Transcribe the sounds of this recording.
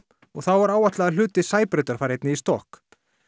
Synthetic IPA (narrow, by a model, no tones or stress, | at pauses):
ɔɣθawvaɾaːwaht̪laɣaðl̥ʏːt̪ɪsaːjpɾʏːt̪aɾ̥faɾejt̪nɪist̪ɔhk